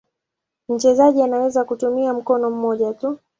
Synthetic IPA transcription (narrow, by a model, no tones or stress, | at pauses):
m̩t͡ʃɛzaʄianawɛzakutumiam̩kɔnɔm̩mɔʄatu